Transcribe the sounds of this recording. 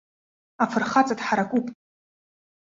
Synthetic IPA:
afʰɨrχat͡sʼatħaɾakʷʼupʼ

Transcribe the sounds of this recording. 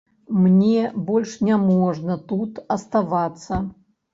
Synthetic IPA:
mnʲebɔlʲʂnʲamɔʐnɐt̪ut̪ɐst̪avat̪sːɐ

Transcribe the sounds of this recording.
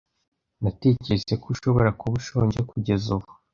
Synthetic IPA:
nate̞cese̞kʰuʃo̞βo̞ɾakuβuʃo̞ːɲɟekuɟe̞zuβu

